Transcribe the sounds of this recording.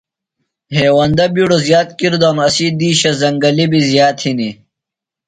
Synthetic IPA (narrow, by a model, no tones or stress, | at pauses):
ɦeːwɐnd̪ɐbiɽozjaːt̪̚kiɾd̪oːnɐsid̪iːɕɐzɐŋɡɐlibizijaːt̪hini